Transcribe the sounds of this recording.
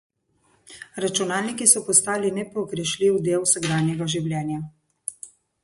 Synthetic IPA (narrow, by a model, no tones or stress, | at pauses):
ɾat͡ʃunaːlnikisɔpɔst̪aːlinɛpɔɡɾɛʃliwd̪eːwsɛɡɾaːnjɛɡaʒiwlʲjɛːnja